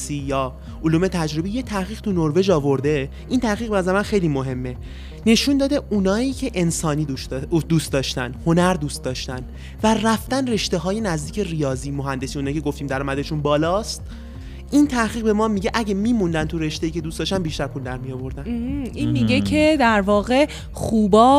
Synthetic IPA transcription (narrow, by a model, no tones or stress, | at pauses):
siːjɒː | oluːme̞t̪ʰæd͡ʒɾo̞bijet̪ʰæhɣiːɣ̥t̪ʰunoɾve̞d͡ʒɒːvo̞ɾd̪e̞ | ʔint̪ʰæhɣiːɣ̚bnæzæɾemænxejliːmo̞ɦe̞mːe̞ | ne̞ʃund̪ɒːd̪eʔunɒːiːcʰe̞ʔensɒːniːd̪ust̪d̪ɒːʃt̪ænho̞næɾd̪uːst̪̚d̪ɒːʃt̪æn | væræft̪ænre̞ʃt̪e̞ɦɒːje̞næzd̪iːcʰe̞rijɒːziːmoɦænd̪e̞siːunɒːicʰeɡo̞ft̪iːmd̪æɾɒːmæd̪eʃunbɒːlɒːst̪̚ | ʔint̪ʰæhɣiːɣbe̞mɒːmiɟeʔæɟemiːmund̪ænt̪ʰuɾe̞ʃt̪eiːcʰe̞d̪ustd̪ɒːʃt̪ænbiʃt̪æɾpʰuld̪æɾmijɒvo̞ɾd̪æninmiɟecʰed̪æɾvɒːɣe̞ | xuːbɒː